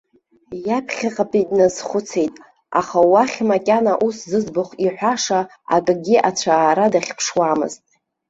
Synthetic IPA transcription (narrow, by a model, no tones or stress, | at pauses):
japʰχʲaqʼapʼidʼnazχʷʊt͡sʰe̞jtʼ | a̰χawaχʲmakʲʼanaʔuszɨzbʊχʷiħʷᶣaʂa | a̰kʼɡʲiʔat͡ʃʷʰaːɾadaχʲpʰʂwamɨ̰ztʼ